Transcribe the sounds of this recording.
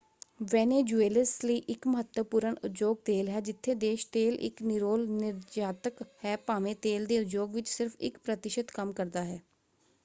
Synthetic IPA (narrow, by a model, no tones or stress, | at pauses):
ʋɛːneːd͡ʒueːləsliːʔɪkməɦət̪wəpuːɾəɳʊt̪d͡ʒoːɡ̚t̪eːlɦɛːd͡ʒɪt̪ʰːeːd̪eːʃt̪eːlʔɪ̰knɪɾoːlnɪɾd͡ʒaːt̪əkhɛːpaːmẽːt̪eːld̪eːʊd͡ʒoːɡʋɪt͡ʃsɪɾfʰɪ̰kpɾət̪ɪʃət̪kəmkəɾd̪aːɦɛː